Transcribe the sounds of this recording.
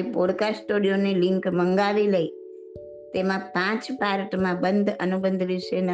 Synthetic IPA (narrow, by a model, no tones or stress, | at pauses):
ipoɽkasʈoɽijonilɪŋkməŋɡaʋiləi | t̪emãpãt͡ʃpaɾʈmãbənd̪ʱənubənd̪ʱʋɪʃen